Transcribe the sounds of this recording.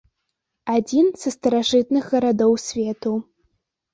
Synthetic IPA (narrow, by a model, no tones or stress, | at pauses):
ad͡zʲinsɐst̪ɐɾaʐɨt̪̚nɨxɣɐɾad̪ɔwsʲvʲet̪u